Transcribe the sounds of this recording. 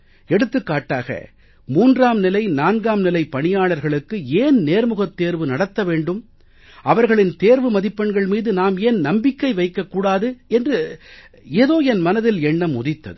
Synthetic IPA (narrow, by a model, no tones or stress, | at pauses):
ɛɽɯt̪ːɯkːaːʈːaːɣɐ̰ | muːndraːmnɪlɐɪnaːnɡaːmnɪlɐɪpːɐɳɪjaːɭɐɾɣɐɭɯkːɯeːnneːɾmɯɣɐt̪ːeːɾʋɯnɐɽɐt̪ːɐʋeːɳɖɯm | ʔɐʋɐɾɣɐɭɪnt̪eːɾʋɯmɐðɪpːɐɳɡɐɭmiːðɯnaːmeːnnɐmbɪkːɐɪʋɐɪkːɐkːuːɽaːðɯɛndrɯ | eːðoːɛnmɐnɐðɪlɛɳːɐmʊðɪt̪ːɐ̰ðɯ